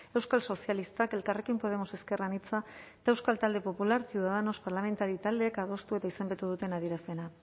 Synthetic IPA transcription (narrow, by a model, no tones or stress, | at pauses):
e̞wskalso̞sialist̪ake̞lkare̞kimpo̞ð̞e̞mo̞se̞ske̞ranit͡sat̪aewskalt̪ald̪e̞po̞pulaɾsiuðaðano̞spaɾlame̞nt̪aɾit̪ald̪eːkað̞o̞st̪ue̞t̪aise̞mbe̞t̪uðut̪e̞naðiɾase̞na